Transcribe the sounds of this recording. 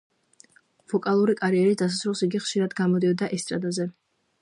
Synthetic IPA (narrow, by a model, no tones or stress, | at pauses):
vɔkʼalˠuɾikʼaɾiɛɾid̪as̬asɾulˠsiɡiχʃiɾad̪ɡamɔd̪iɔd̪aʔɛst̪ʼɾad̪azɛ